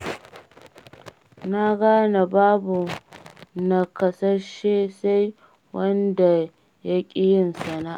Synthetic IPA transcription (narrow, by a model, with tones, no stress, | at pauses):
na˦ɡaː˦na˨baː˦bu˨ | na˦kɐ˦sɐ˦rʃeː˦sa˦j | wɐ˦nda˨ | ja˦kʲʼɪ˦jɪ˦nsɐ˨naː˦ʔ